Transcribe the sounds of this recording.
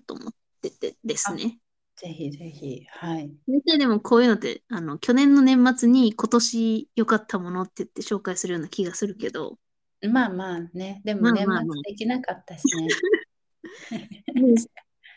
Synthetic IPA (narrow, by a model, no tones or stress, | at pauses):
t̪o̰mo̰t̪ː | et̪ed̪esne̞ | z̥e̞çize̞çihaiet̪aid̪e̞mo̞kʰo̞ːjɯ̟ːno̞t̪ːe̞̰ano̞kʲo̞nẽ̞nːo̞nẽ̞mːat͡sɨɲ̟iko̞t̪o̞ɕijo̞kat̪ʰːamo̞no̞t̪ːe̞jɯt̪ːe̞ɕo̞ːkaisɨɾɯjo̞ːnakʲiɡasɨɾɯ̟ke̞d̪o̞̰ | maːmaːne̞d̪e̞mmãːmaaad̪ekʲinakat̪ːaɕine